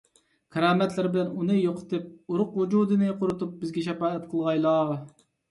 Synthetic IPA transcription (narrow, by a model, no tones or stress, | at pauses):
kʰɛɾɑːmɛt̪lɪɾbɪlɛnunɨjoqʰə̥t̪ɨp̚uɾʊqwud͡ʒuːd̪ɨnɨqʰʊɾɨt̪up̚bɪzɡʲɛʃɛpɑːɛt̪̚qʰəlˠʁɑjlˠɑ